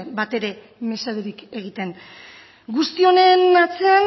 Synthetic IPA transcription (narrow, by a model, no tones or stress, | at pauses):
bat̪e̞ɾe̞ | me̞saðeɾike̞ɣ̞it̪e̞ŋ | ɡust̪io̞ne̞nat͡se̞an